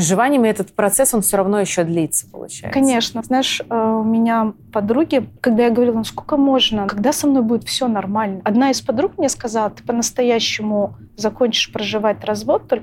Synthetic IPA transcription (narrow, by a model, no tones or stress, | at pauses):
ʐɨvanʲɪjɪmɛt̪ət̪pɾɐt̪sɛso̞nfsʲoɾɐvno̞jɪɕːod̪lʲit̪sə̥pə̰lˠʊ̰t͡ɕa̰j̰kɐnʲe̞ʂnəznaɪʂəʊmʲɪnʲapɐd̪ɾuɡʲɪkɐɡd̪ajaɡəvɐɾʲilˠɐnskolʲkəmo̞ʐnəkɐɡd̪asɐmno̞jbudʲɪt̪fsʲonɐrmalʲnəɐd̪naɪspɐd̪ɾukmnʲeskɐzalˠət̪ɨ̥pənəst̪ɐjæɕːɪmʊ | zɐko̞nʲt͡ɕɪ̥ʂpɾəʐɨvat̚ʲrɐzvo̞t̪ːo̞lʲ